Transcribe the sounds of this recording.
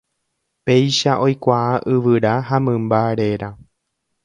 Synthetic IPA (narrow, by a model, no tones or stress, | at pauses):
pe̞jʃaʔo̞jkʷaaʔɨʋɨɾaɦamɨ̃mbaɾe̞ɾa